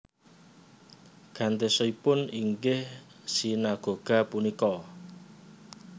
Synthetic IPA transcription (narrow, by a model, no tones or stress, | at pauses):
ɡ̥ä̤nt̪esɔipʊniŋɡɪh | sinaɡ̥o̤ɡ̥a̤punikɔ